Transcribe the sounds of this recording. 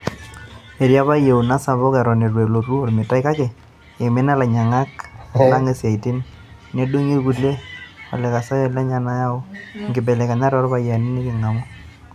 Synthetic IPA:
ɛ˨ɾja˦ba˦je˨u˨na˦sa˨βɔ˦kɛ˨ɾɔ˨ne˨ɾwe˨lo˨ɾu˦ɔ˨lmɪ˨ta˦ɪ˦ka˦kɛ˨ | ɪ˨mɪ˦na˦la˨ɲa˨ŋa˦ka˨˦la˦ŋe˦sa˨i˨tɪ˦n | ne˦do˦ŋi˦ɾku˨le˦ɔ̰˨lɛ˨ka˨sa˦jɔ˦la˦ɲa˨na˦ja˦ʊ˦ŋɡɪ˨bɛ˨lɛ˨ka˨ɲa˦ɾɔ˦ɾba˨ja˨ni˦nɪ˦kɪ˨ŋa˨mɔ˦

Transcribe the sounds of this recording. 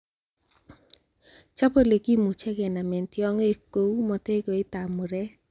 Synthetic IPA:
t͡ʃa˦po˦le˨ɡi˦mu˨t͡ʃɛ˦ɡɛ˨na˨me˨nt̪jɔ˦ŋe˨ko˨u˦mɔ˨te˦ɡo˨ɪ˦t̪a˨mʊ˨ɾɛ˦

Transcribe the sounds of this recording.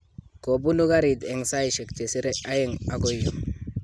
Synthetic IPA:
ko˨bu˦nu˦ɡa˦ɾi˨de˨ŋsa˦i˨ʃe˨kt͡ʃe˨si˦ɾe˦a˦je˦ŋa˨ɡo˦jːo˨

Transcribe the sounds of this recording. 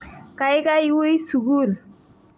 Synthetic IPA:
ka˨jka˦jwo˦ji˦su˨ɡu˦˨l

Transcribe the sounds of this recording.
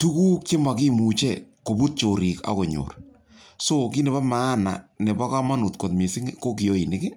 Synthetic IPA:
tu˦ku˦k̚t͡ʃe˦ma˨ki˦mu˨t͡ʃɛ˦˨ko˨bu˦t̚t͡ʃo˨ɾi˨ka̰˨ko˨ɲo̰˨r | so˦k̬i˦nɛ˨ba˦maː˨˦na̰˨nɛ˨ba˦ka˦ma˦nu˨t̚ko˨tme˨sɪ˦ŋko˦ki˨jo˦i˨nɪ˦kɪ˦

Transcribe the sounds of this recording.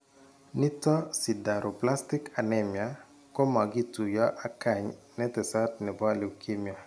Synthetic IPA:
ni˦tɔ˦si˨da˨ɾʔo˨pla˦stɪ˦ka˨nɛ˨mja˨ | ko˦ma˨ɡi˦tu˨jɔ˦ʔa˨ka˨ɲnɛ˦tɛ˨sa˦tnɛ˨ba˦li˨wkʰi˦mja˨

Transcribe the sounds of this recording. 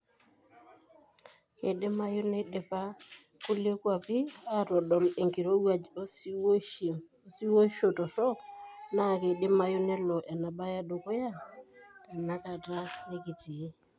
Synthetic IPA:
ke˨ɗe˦ma˦jo˦ne˦ɗe˨pa˦ | ku˦lje˦kwa˨pi˦a˦˨tɔ˨dɔ˨le˨ŋki˨ɾo˦wa˨d͡ʒ | si˦wo˦ʃo˨tɔ˨sɔ˦kna˦˨ke˨ɗe˦ma˦jo˦ne˦lɔ˨ʔa˨na˨ba˦ja˦do˨ko˦ja˦˨ka˨na˦ka˨ta˦ne˦ki˨ti˨e˦

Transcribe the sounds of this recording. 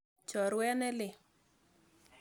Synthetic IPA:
t͡ʃɔ˨ɾwɛ˦nɛ˦lɪ˨

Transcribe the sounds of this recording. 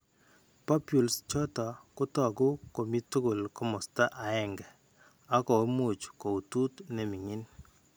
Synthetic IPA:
pa˦pju˨lst͡ʃɔ˦tɔ˨kʊ˦tɔ˨ɡʊ˦ko˨mi˦tu˦ɡo˨lkɔ˦mɔ˨sta˦ʔa˨ɛ˦˨ŋɡɛ˨ | a˦kɔ˨˦mu˨t͡ʃko˨u˨tu˦tne˨mi˨ŋi˦n

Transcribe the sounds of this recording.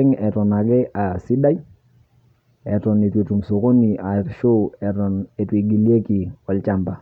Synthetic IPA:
ɛ˦ŋɛ˨tɔ˨na˨ɡɛ˦ʔa˨si˦da˦i˦ | ɛ˨tɔ˨ne˨twe˨tu˨mso˨ko˦ni˨a˨ʃo˦ɛ˨tɔ˨ne˨twe˨ɡi˨lje˦ki˨ɔ˨lt͡ʃa˦˨mba˨

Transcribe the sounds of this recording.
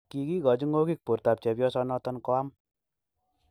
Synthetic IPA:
ki˧ki˦kɔ˨d͡ʒu˦ŋɡo˦ki˦k̚po˨ɾta˨p̚t͡ʃɛ˨pjɔ˦sɔ˧nɔ˧tɔ˦nkɔ˦a˦m

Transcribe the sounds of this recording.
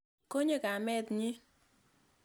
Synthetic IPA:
ko˦ɲe˦˨ka˨mɛ˦t̪ɲi˦

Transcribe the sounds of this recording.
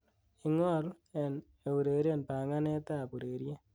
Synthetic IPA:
i˦ŋɔ˦l | ɛ˨n | e˨wu˨ɾe˨ɾe˦˨npa˨ŋa˦nɛ˦ta˦˨pu˨ɾe˨ɾje˦

